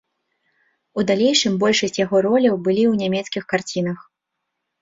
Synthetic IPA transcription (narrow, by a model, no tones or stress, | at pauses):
ud̪alʲejʂɨmbɔlʲʂɐsʲt͡sʲjaɣɔɾɔlʲɐwbɨlʲiwnʲamʲɛt̪skʲixkart͡sʲinɐx